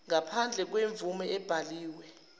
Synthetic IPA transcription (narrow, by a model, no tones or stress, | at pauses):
ŋapʰand͡ɮʱɛk̬weɱb̪vumɛɛb̥ʱaliːwɛ